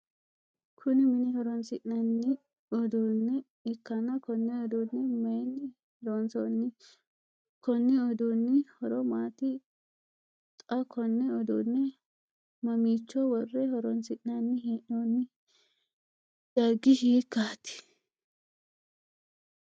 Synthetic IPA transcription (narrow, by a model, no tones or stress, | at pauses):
kʰʊnɪmɪnɪhɔɾɔnsɪʔnɐnːɪ | ɔd̪oːnːɛ | ɪkːɐnɐkɔnːɛɔd̪uːnːɪmɐjnɪ | hɔɾɔnsɔnːɪ | kʰɔnːɛɔd̪uːnːɪhɔɾɔmaːt̪ɪ | t̪ʼɐkʰɔnːɛɔd̪ṵːnːɛ | mɐmiːt͡ʃːɔwɔrːɛhɔɾɔnsɪʔnɐnːɪɦiːʔnonɪ | d̪̥ɐɡɪhiːkːaːt̪ɪ̥